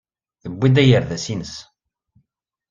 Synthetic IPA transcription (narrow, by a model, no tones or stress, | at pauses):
θəbːid̪æjəɾðæsinəs